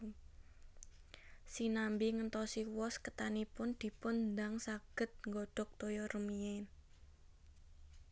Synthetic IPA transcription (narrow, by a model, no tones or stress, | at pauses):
sinambiŋənt̪ɔsiwɔskət̪anipʊnd̪̥i̤pʊnd̪aŋsaɡ̥ə̤t̪̚ŋɡɔɖ̥ɔ̤k̚t̪ojɔrəmiɛn